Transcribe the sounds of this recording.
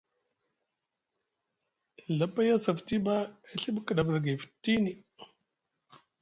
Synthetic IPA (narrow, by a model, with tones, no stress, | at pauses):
la˨˦ba˦ja˦sa˨fti˦ba˦e˦ɬi˦bkə˨ɗa˨bə˨ɾɡa˨fi̥˨tːi˦ni˨